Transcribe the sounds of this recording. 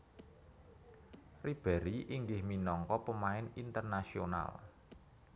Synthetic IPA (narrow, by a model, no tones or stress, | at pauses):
rib̥ɛ̤ɾiʔiŋɡɪhminɔŋkɔpəmaɪnint̪ərnasiona̰l